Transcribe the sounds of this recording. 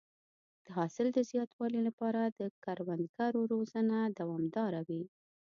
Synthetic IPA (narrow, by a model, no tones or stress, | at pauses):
d̪̥əɦɑsɪld̪əzjɑt̪wɑlilapɑɾad̪əkaɾwand̪ɡaɾoɾozanad̪awɑmd̪ɑɾawi